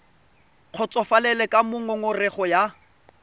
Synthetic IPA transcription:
q͡χʰɔt͡sʼɔfalɛlɛkʼamʊŋʊŋʊrɛχɔja

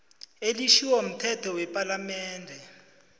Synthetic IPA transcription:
eliʃiwam̩tʰɛtʰɔwɛpʼalamɛːndʱɛ

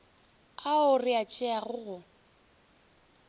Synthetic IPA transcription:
aʊrɪat͡ʃʼɪaɣʊɣʊ

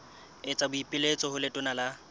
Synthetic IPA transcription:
ɪt͡sʼabʊipʼɪlet͡sʼɔhʊlɪtʼʊnala

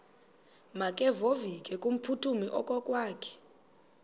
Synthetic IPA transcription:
makʼɛvovikʼɛkʼum̩pʰutʰumiʔɔkʼɔkʼwaːkʰɛ̥

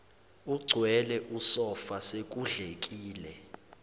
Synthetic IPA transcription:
uɡ͡ǀʱwɛlɛʔusɔfasek̬ʼuɮek̬ʼiːlɛ

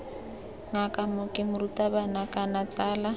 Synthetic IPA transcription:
ŋakʼamʊkʼɪmʊrutʼabanakʼanat͡sʼaːla

